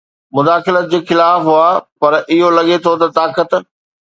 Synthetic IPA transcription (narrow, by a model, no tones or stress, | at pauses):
mʊd̪aːxɪlət̪̚d͡ʑeːxɪlaːfɦʊaːpɐɾʔɪɦolɐɠet̪ʰot̪ɐt̪aːkət̪